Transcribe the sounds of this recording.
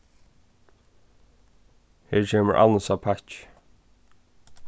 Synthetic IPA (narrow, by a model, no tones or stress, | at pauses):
heːɹt͡ʃʰeːməɹʔa̰ləsapʰat͡ʃ